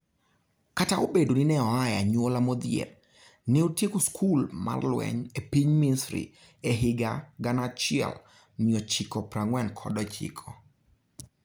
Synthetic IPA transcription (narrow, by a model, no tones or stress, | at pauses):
kataobedonɪnɛɔajaɲwolamod̪jḛl | nɪotjekoskʰulma̰rlwɛ̰ɲepiɲminstɾḭ | eɦɪɡaɡanat͡ʃɪɛ̰l | mɪɔt͡ʃikɔpɾaŋwɛnkʰɔ̰dɔt͡ʃḭkʰɔ